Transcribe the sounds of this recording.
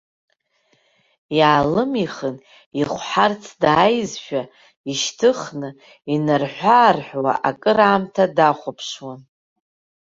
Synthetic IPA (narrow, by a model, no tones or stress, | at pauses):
jaːlɨmiχən | iχʷħart͡sʰdaːjzʃᶣa | iʃtʰɨχnɨ | inarħʷaːrħʷwa̰ʔakʼɨɾaːmtʰadaχʷʊpʰʂwan